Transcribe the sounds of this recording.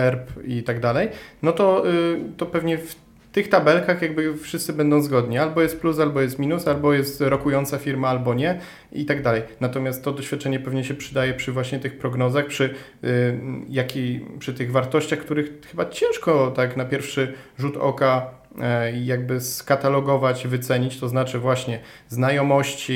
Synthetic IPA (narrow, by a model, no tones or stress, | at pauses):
ɛɾpit̪aɡd̪alɛjnɔt̪ɔt̪ɔpɛvɲɛf | t̪ɘxt̪abɛlkaxjaɡbɘfʂɘst̪sɘbɛnd̪ɔ̃w̃zɡɔd̪ɲialbɔjɛst̪̚plusalbɔjɛst̪mʲinusalbɔjɛst̪ɾɔkujɔnt̪safʲiɾmaalbɔɲɛ | it̪aɡd̪alɛjnat̪ɔmʲjast̪ːɔd̪ɔɕfʲat̪̚t͡ʂɛɲɛpɛvɲɛɕɛpʂɘd̪ajɛpʂɘvwaɕɲɛt̪ɘxpɾɔɡnɔzaxpʂɘ | jakʲipʂɘt̪ɘɣvaɾt̪ɔɕt͡ɕaxkt̪uɾɘxxɘbat͡ɕɛ̃w̃ʂkɔt̪aknapʲjɛɾfʂɘʐut̪ɔ̰ka | jaɡ̚bɘskat̪alɔɡɔvat͡ɕvɘt̪sɛɲit͡ɕt̪ɔznat͡ʂɘvwaɕɲɛznajɔmɔɕt͡ɕi